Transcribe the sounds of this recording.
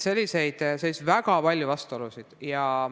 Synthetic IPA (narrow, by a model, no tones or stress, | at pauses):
se̞lʲːise̞jd̪̥sejsvæɡ̥ɑpɑlʲjuvɑst̪uolusid̪̥jɑ